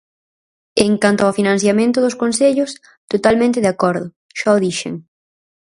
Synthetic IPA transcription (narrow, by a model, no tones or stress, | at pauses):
eŋkant̪oafinãn̟θjamẽnt̪ʊðʊskonseʎʊs | t̪ot̪almẽnt̪ɪðakɔɾðʊ | ʃaðiʃḛŋ